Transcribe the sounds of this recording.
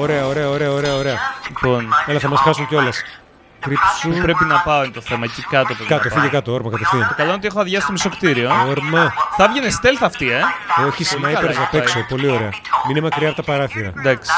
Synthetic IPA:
oɾe̞ɐoɾeɐoɾe̞ɐoɾe̞ɐoɾe̞ɐliponelɐθɐmɐsxɐsunceo̞lɐs | kɾipsupɾepinɐpɐont̪o̞θe̞mɐcikɐt̪opozkɐt̪ofiʝɐkɐt̪ooɾmɐkɐt̪efθiɐt̪okɐlonot̪ixoɐðʝɐsi̥st̪omiso̞kt̪iɾio̞oɾmɐθɐvʝenest̪elθɐft̪ie̞oçislnɐiɐɾɐzɐpeksopo̞lio̞ɾeɐminemɐkɾiɐpt̪ɐpɐɾɐθiɾɐ̰nd̪ɐksi̥

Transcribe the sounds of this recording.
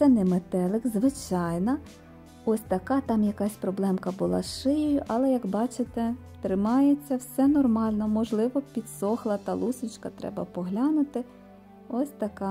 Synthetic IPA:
t̪sɛnɛmet̪ɛlˠɪkzʋɪt͡ʃɑjnɐ | ɔsʲt̪ɐkɑt̪ɑmjɐkɑsʲpɾɔblˠɛmkɐbʊlˠɑ̰ʃɪjɔjʊʔɐlˠɛjɐkbɑt͡ʃɪt̪ɛ | t̪ɾɪmɑjet͡sʲːɐwsɛnɔrmɑlʲnɔmɔʒlˠɪʋɔpʲid̪sɔxlˠɐt̪ɐlˠusʊt͡ʃkɐt̪ɾɛ̰bɐpɔɦlʲɑnʊt̪ɪ | ɔsʲt̪ɐkɑ

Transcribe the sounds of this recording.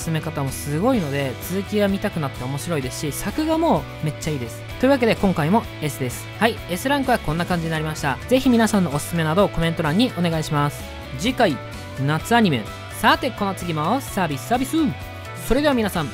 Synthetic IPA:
ɨ̥sɨme̞kat̪amo̞sɨɡo̞ino̞d̪e̞t͡sɨzɨkʲiɡamʲit̪akɯ̟nat̪ːe̞o̞mo̞ɕiɾo̞id̪e̞sɨ̥ɕisakɯ̟ɡamo̞ː | me̞t͡ɕːaiːd̪e̞sɨ̥t̪o̞iɯ̟βake̞d̪e̞kõ̞ŋkaimo̞ | e̞sɨd̪e̞sɨ̥hai | e̞sɨɾãŋkɯ̟βakõ̞nːakãɲ̟d͡ʑiɲinaɾʲimaɕi̥t̪aze̞çimʲinasãnːo̞ːsɨ̥sɨme̞nad̪o̞ko̞ment̪o̞ɾãɲ̟ːiʔo̞ne̞ɡaiɕimasɨ̥ | d͡ʑikai | nat͡sɨaɲ̟ime̞̰ | sat̪e̞ko̞no̞t͡sɨɡʲimaosaːbʲisɨ̥saːbʲisɨ | so̞ɾed̪e̞βamʲinasãɴ

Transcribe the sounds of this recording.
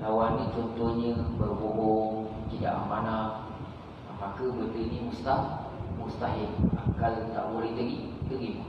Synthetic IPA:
lawanːĩt͡ʃɔnt̪ɔhɲəbərboɦoŋt̪ida̰ʔəmanak | namakəbət̪ənimust̪ahmust̪aɦɪla̰kalta̰ʔbolɛht̪əɡit̪əɡimu

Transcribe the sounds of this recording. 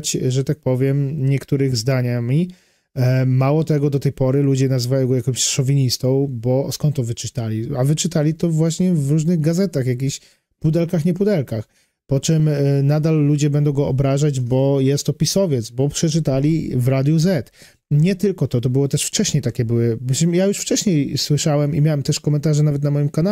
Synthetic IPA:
t͡ɕʐɛt̪ak̚pɔvʲjɛmɲɛkt̪uɾɘɣzd̪aɲamʲi | mawɔt̪ɛɡɔd̪ɔt̪ɛjpɔɾɘlud͡ʑɛnazvajɔ̃ɡɔjakɔ̃w̃ɕsʂɔvʲiɲist̪ɔ̃w̃bɔskɔnt̪ːɔvɘt͡ʂɘt̪alʲiavɘt͡ʂɘt̪alʲit̪ɔvwaɕɲɛvɾuʐnɘɣɡazɛt̪axjak̬ʲiɕ | pud̪ɛlkaxɲɛpud̪ɛlkax | pɔt͡ʂɛmnad̪alːud͡ʑɛbɛnd̪ɔ̃w̃ɡɔʔɔbɾaʐad͡ʑbɔjɛst̪ːɔpʲisɔvʲjɛt̪sbɔpʂɛt͡ʂɘt̪alʲivɾad̪ʲjuzɛt̪ | ɲɛt̪ɘlkɔt̪ɔt̪ɔbɘwɔt̪ɛʂft͡ʂɛɕɲejt̪akʲɛbɘwɘbɕmjajuʂft͡ʂɛɕɲejswɘʂawɛmimʲjawɛmt̪ɛʂkɔmɛnt̪aʐɛnavɛt̪̬namɔjimkana

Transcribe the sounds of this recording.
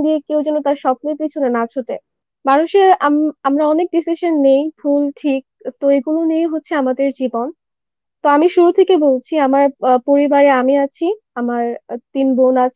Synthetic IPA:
d̪iekewd͡ʑɛnːot̪aɾʃɔp̚nojpit͡ɕʰunenat͡ɕʰot̪e | manuʃeɾamamɾaɔnek̚ɖisiʃonːejfʰulʈʰik̚t̪oeɡulonijeɦotːɕʰeamad̪eɾd͡ʑibon | t̪oamiʃuɾut̪ʰekebolt͡ɕʰiamaɾpoɾibaɾeamiat͡ɕʰi | amaɾt̪inbonat͡ɕʰ

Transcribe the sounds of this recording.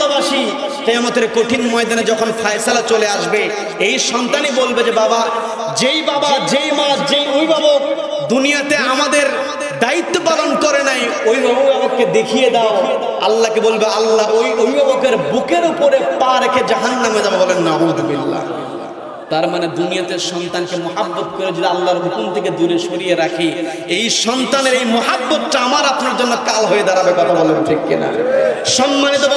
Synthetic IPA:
lobaʃi | t̪eamot̪eɾkoʈ̪ʰinmɔed̪aned͡ʑɔkʰonfʰajsalat͡ɕoleaʃbe | ejʃɔnt̪anibolbed͡ʑebaba | d͡ʑejbabad͡ʑejmad͡ʑejobʱibʱabok | d̪unijat̪eamad̪eɾ | d̪ait̪ːopalonkɔɾenaj | oibʱabuamakːed̪ekʰijed̪ao | alːakebolbealːaojobʱibʱabokeɾbukeɾupoɾepaɾekʰed͡ʑaɦanːamed͡ʒabebɔlenːaud̪ubilːa̰ | t̪aɾmaned̪unijat̪eʃɔnt̪ankemoɦabːot̪koɾed͡ʑid̪ialːaɾb̪ukunt̪ʰeked̪uɾeʃoɾijeɾakʰi | ejʃɔnt̪aneɾejmoɦabːot̪ʈaamaɾat̪ʰɾaɾd͡ʑonːokalɦojed̪aɾabekɔt̪ʰabɔlent̪ʰekːḛna̰ʃɔmːanit̪o

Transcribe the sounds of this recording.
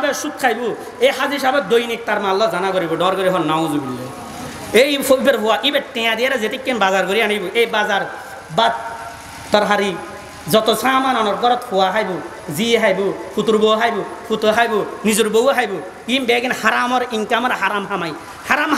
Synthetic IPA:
bɛsut̪̚kʰajbu | eɦaziʃabɛd̪ojnik̚t̪aɾmalːɔzanaɡɔɾibɔɖɔɾɡɔɾiɦɔlnaw̃zubilːe | ejfʰobeɾɦowaʔibɛt̪ɛjãd̪ijaɾazet̪ikːembazaɾɡɔɾiaɽ̃ejbuʔejbazaɾ | bat̪ | t̪ːɔɾɦaɾi | zɔt̪ɔsaːmananɔɾɡɔɾɔt̪howaɦajbu | ziɦajbukʰut̪uɾboɦajbukʰut̪oɦajbunizuɾbowaɦajbu | imbɛɡinhaɾamɔɾiŋkamɔɾɦaɾamɦamaj | haɾam

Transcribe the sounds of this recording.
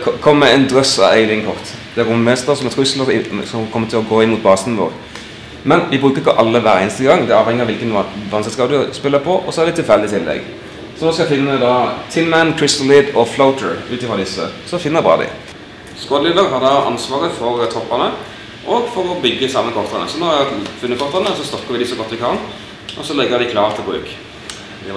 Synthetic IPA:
kʰɔmːəɛnd̪ʁœsɑ̰ʋeɪlɪəŋkʰɔʁt̪d̪̥ɛæɾʊmmɛːst̪əʁsɔmɛt̪ʰʉsləsɔmkʰɔmːət̪ɪlɔɡoːɪmuːt̪̚bɑːst̪nʋo̰ːʁ | mɛnʋɪbɾʉːkəʁɪkɔʔɑlːəʋæːɾəeːnst̪əɡɑŋd̪ɛɾɑːʋhɛŋːɪɑʋɪlkənʋɑnskəskɑːd̪ʉspɪlːəpʰɔʔɔsɔɛɾd̪ɛt̪ʰɪlfɛld̪ɪt̪ʰɪlːɛ̰ɡ | sɔnoːskɑfɪnːəd̪ɑt̪ʰɪmmænkʰɹɪst̪nlɪd̪ɔflaʊt̪əɹʉːt̪ɪfʁɔd̪ɪsːə̰sɔfɪnːəbʁɑ̰ːd̪ɪ̰ | skod̪lɪd̪əɾɦɑʁd̪ɑʔɑ̰nsʋɑːɾəfɔɾt̪ʰɔpːɑnə | ʔɔɡfɔɾɔbʏɡːəsɑmːəkʰɔʁt̪ɑnə̰sɔnoːɑfʉnːəkɔʁt̪ɑnəɔsɔst̪ɔkːəɾʋɪd̪ɪsɔɡɔt̪ːʋɪkʰɑn | ʔɔsɔlɛɡːəd̪ɪkʰlɑːʁt̪ʰɪlbɾʉ̰ːk | d̪ɛ

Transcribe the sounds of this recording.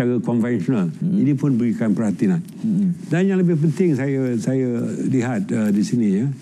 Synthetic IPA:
aɾakɔnvɛnsɔnalinipʊnbəɾikanpərhat̪inan | danjãŋləbɪhpənt̪ɪŋsajasajaliɦat̪̚ədisinijə

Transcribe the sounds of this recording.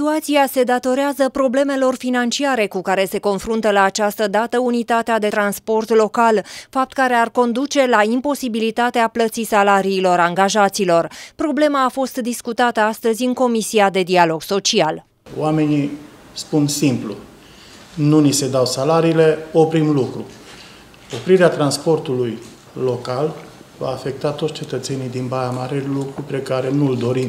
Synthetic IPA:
t̪uat̪siase̞d̪at̪o̞ɾeazəpɾo̞ble̞me̞lo̞rfinant͡ʃiaɾe̞kukaɾe̞se̞ko̞nfɾunt̪əlaːt͡ʃast̪əd̪at̪əunit̪at̪ead̪e̞t̪ɾanspo̞rt̪lo̞kalfap̚t̪kaɾe̞arko̞nd̪ut͡ʃe̞laimpo̞sibilit̪at̪eaplət̪sisalaɾiːlo̞ɾaŋɡaʒat̪silo̞rpɾo̞ble̞maːfo̞st̪d̪iskut̪at̪əast̪əzʲɨŋko̞misiad̪e̞d̪ialo̞ɡso̞t͡ʃial | o̰ame̞ni | spunsimplṵ | nunise̞d̪awsalaɾiːle̞o̞pɾimlukɾu | o̞pɾiɾeat̪ɾanspo̞rt̪uluj | lo̞kal | va̰ːfe̞k̚t̪at̪ot̪sʲt͡ʃe̞t̪ət̪se̞nijd̪inbajamaɾe̞lukɾupɾekaɾe̞nuɨld̪o̞ɾim

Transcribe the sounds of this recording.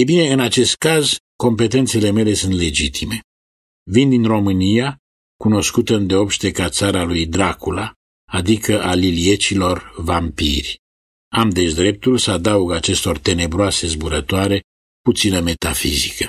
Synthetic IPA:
ebine̞ɨnat͡ʃe̞st̪̚kazko̞mpe̞t̪e̞nt̪se̞le̞me̞le̞sunt̪le̞d͡ʒit̪ʰime̞ | vind̪inro̞mɨnija | kuno̞skut̪əɨnd̪eo̞pʃt̪e̞kat̪saɾalujd̪ɾakula | ad̪ikəʔalilie̞t͡ʃilo̞rvampḭrʲ | amd̪e̞ʃd̪ɾe̞p̚t̪ulsəad̪auɡat͡ʃe̞st̪o̞rt̪e̞ne̞bɾoase̞zbuɾət̪oaɾe̞ | put̪sinəme̞t̪afḭzikə

